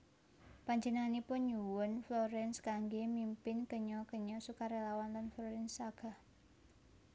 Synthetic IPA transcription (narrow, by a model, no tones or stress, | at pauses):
paɲd͡ʒənanipʊnɲuwʊnflɔɾɛnskaŋɡemimpɪnkəɲɔkəɲɔsukaɾelawanlanflɔɾɛnsaɡ̥a̤h